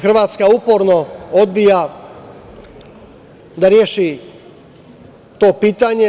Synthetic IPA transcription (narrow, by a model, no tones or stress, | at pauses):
xr̩ʋaːt̪skauːpoɾnɔod̪̚bija | d̪aɾjɛʃi | t̪opiːt̪aɲɛ